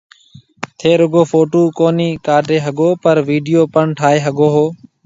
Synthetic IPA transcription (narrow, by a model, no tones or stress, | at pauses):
t̪ʰeːɾʊɡoːfʰoːʈuːkoːniːkaːʈeːɦəɡoːpəɾʋiːɖijoːpəɳʈʰaːɦeːɦəɡoːɦoː